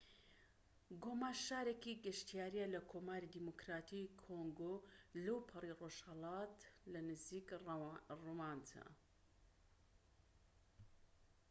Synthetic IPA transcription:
ɡomaːʃaːɾekiɡɨʃt̪ijaːɾijalɐkʰoːmaːɾid̪imokɾaːt̪ʰikʰoŋɡolɐwpʰɨriroʃhɐlˠɑt̪lɐnɨziːk | romant̪ʰa̰

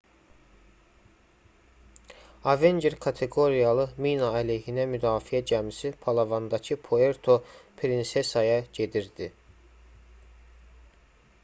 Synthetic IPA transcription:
ɑve̞nd͡ʒeɾkʰɑt̪ʰe̞ɡo̞ɾijɑlˠɯminɑæleɦinæmyd̪ɑːfiæd͡ʒæmisipʰɑlˠɑvɑnd̪ɑcʰɯpʰoe̞ɾt̪ʰo̞pʰɾinse̞sɑjɑɟe̞d̪iɾd̪i

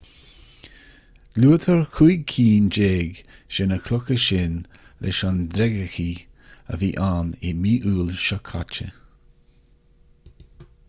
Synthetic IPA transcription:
luːət̪ʰəɹkʰuːɡ̚kʰiːnd͡ʒeːɡʃɛnəkʰlʊkəʃɪn | lʔɛ̰ʃɔnd̪ɾɛɡəxiː | ə̰viːʔaːnɪmiːʔuːlʃɔkʰa̰t͡ʃə̰

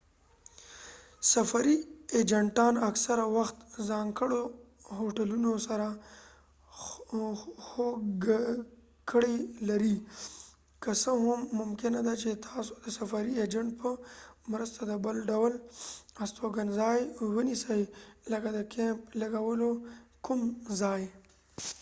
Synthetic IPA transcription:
safaɾied͡ʒaɳʈɑnaksaɾawaxt̪zɑŋkəɽo | ɦoʈalunosaɾa | xoɡ | kəɽelaɾi | kəsəɦʊmːʊmkɪnad̪at͡ʃet̪ʰɑso̥d̪əsafɑɾied͡ʒaɳʈ̚pəmɾəst̪ad̪əbəlɖawlast̪ʰoɡanzɑjwənisəjləkad̪əkʰemplaɡawəlokumzɑj

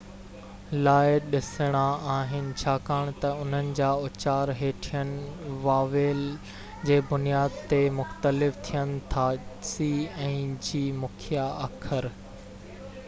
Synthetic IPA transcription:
laːɪɗɪsəɽ̃aaːɦɪnɪ̆t͡ɕʰaːkaːɽ̃t̪ɐʊn̤ənɪ̆d͡ʑaːʊt͡ɕaːɾɦeːʈʰijənɪʋaːʋeːl | d͡ʑeːbʊnijaːd̪̚t̪emʊxt̪əlɪft̪ʰijənɪ̆t̪ʰaːsiːɛ̃ːd͡ʑiːmʊkʰijaɐkʰəɾ

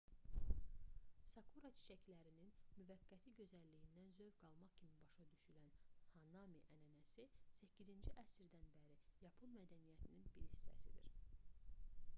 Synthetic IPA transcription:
sɑkʰuɾɑt͡ʃʰi̥ʃæcʰlæɾininmyvæɡːæt̪ʰiɟø̞zælːijind̪ænzø̞vɡɑlˠmɑχcʰimibɑʃɑd̪yʃylænhɑnɑmiʔænænæsisæcʰːizind͡ʒiʔæsɾd̪ænbæɾijɑpʰonmæd̪ænijæt̪ʰininbiɾhisːæ̰sid̪ḭɾ

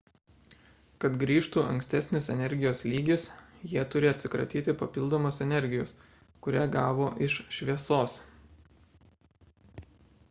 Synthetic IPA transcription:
kɐt̪ɡɾʲiːʃt̪uːɐ̰ŋʲksʲt̪ʲɛsʲnʲɪsɛnʲɛɾʲɡʲɪjoːslʲiːɡʲɪsjiɛt̪ʊɾʲɪɐt̪ʲsʲɪkɾɐ̰t̪ʲiːt̪ʲɪpɐpʲɪlˠd̪oːmosɛnʲɛɾʲɡʲɪjo̰ːs | kʊɾʲæːɡɑːʋoːʔɪʃʃʲʋʲiɛsoːs

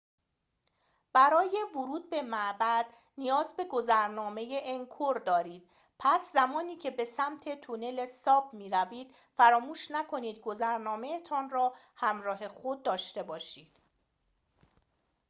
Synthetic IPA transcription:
b̥æɾɒːje̞vʊɾuːd̪̚be̞mæʔbæd̪̥ | nijɒːzbe̞ɡo̞zæɾnɒːme̞jeʔːŋkʰoɾd̪ɒːɾiːd̪̥̚ | pʰæszæmɒːniːcʰe̞be̞sæmt̪ʰe̞t̪ʰune̞lesɒːb̚miːɾæviːd̪̥ | fæɾɒːmuːʃnækʰo̞niːd̪ɡo̞zæɾnɒːmejet̪ʰɒːnrɒː | hæmɾɒːɦe̞xo̞d̪̚ːɒːʃt̪e̞bɒːʃiːd̪̥

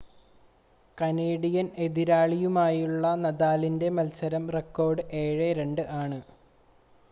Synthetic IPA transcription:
kɐneːɽijɐne̞ðiɾaːɭijumaːjuɭːɐnɐðaːlinde̞mɐlsɐɾɐmre̞kːo̞ːrɖɨʔeːɻeɾe̞ɳɖɨʔaːɳɨ

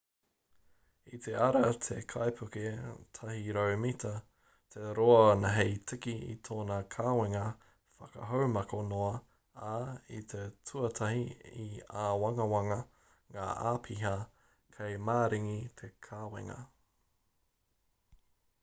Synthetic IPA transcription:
it̪ʰeɐɾɐt̪ʰekʰajpʰʉket̪ʰɐɦiɾowmit̪ɐ | t̪ʰe̞ɾoɐnɐɦejtʰɪkiḭt̪ʰoːnɐkʰaːweŋɐ | fɐkɐ̰ɦowmɐkonoɐ | ait̪ʰet͡sʰuɐt̪ʰɐhiiaːwɐŋɐwɐŋɐ | ŋa̰ːʔa̰ːpʰiɦɐ | kʰejmaːɾiŋit̪ʰe̞kʰaːwḛŋɐ̰

